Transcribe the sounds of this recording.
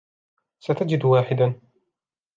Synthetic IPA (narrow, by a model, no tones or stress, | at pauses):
sat̪ad͡ʒɪd̪waːħɪd̪an